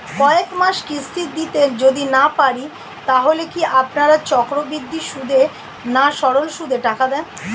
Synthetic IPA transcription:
kɔekmaʃkist̪ʰid̪it̪ed͡ʑod̪inapaɾi | t̪aɦolekiʔapnaɾat͡ɕɔkɾobid̪ːiʃud̪ʱe | naʃɔɾolʃud̪ʱeʈakad̪ɛn

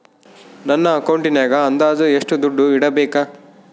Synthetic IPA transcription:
nɐnːɐːkɐwɳʈinaːɡɐɐnd̪aːd̪ueʂʈud̪uɖːuiɽɐbeːkɐ

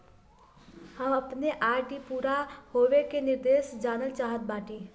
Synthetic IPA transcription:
həməpneʔajʈipuɾahobekeniɾd̪esd͡ʒanəlt͡ʃaɦət̪̚baʈi

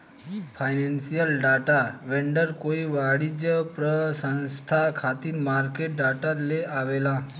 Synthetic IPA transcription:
fʰajnensijəlɖaʈaʋɛɳɖəɾkoiʋaɽid͡ʑəpɾəsə̃ñst̪ʰakʰat̪iːɾmaɾkeʈ̚ɖaʈaleʔaʋela

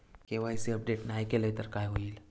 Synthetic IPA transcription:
keʋaɦiseɐp̚ɖeːʈnaːjkeleɦt̪əɾkaːjɦoil

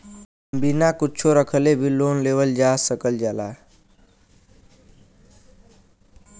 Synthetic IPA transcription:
mbinakut͡ʃʰoɾəkʰəlebʱiloːnlewəld͡ʒasəkəld͡ʒaːla

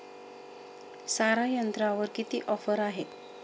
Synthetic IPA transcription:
saɾajənt̪ɾaʋəɾkit̪iːʔɔfəɾaɦe

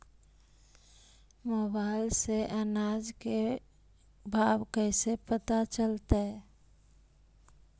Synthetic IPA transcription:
mobaɪlseʔənad͡ʒke | bʱabkəɪsepət̪at͡ʃəlt̪e

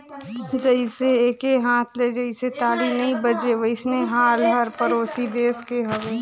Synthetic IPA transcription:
d͡ʒəɪiseeːkeɦãːt̪ʰled͡ʒəɪset̪aːlinɐĩbəd͡ʒeʋəɪsneɦaːlɦəɾpəɾoːsid̪eːskeɦɐweː

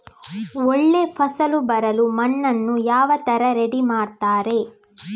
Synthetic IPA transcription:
oɭːe̞pʰɐsɐlubɐɾɐlumɐnːɐnːujaːʋɐt̪ɐɾɐɾeɽimaːɽt̪aːɾe̞

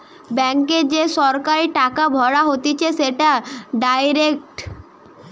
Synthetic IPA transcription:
bɛŋked͡ʑeʃɔɾkaɾiʈakabʱɔɽaɦot̪et͡ɕʰeʃeʈaɖajɾek̚ʈ

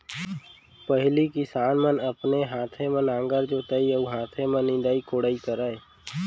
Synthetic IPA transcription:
pəɦɪlikɪsaːnmənəpneɦãːt̪ʰemə̃nãːŋɡəɾd͡ʒoːt̪əiəuɦãːt̪ʰemẽnɪ̃nd̪aːikoːɽaːikəɾaːeː

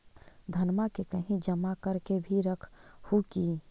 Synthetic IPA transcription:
d̪ʱɐnmakekəɦĩd͡ʒəmakəɾkebʱiɾəkʰhuki

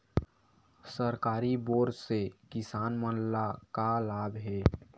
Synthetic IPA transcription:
səɾkaːɾiboːɾsekɪsaːnmənlakalaːbɦɛː

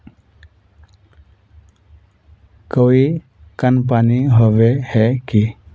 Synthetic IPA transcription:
kəʋi | kənp̬aniɦoʋehɛki

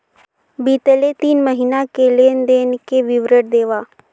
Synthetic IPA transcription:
biːt̪əlet̪iːnməɦiːnakeleːnd̪eːnkeʋɪʋɾəʈ̚d̪eːʋaː

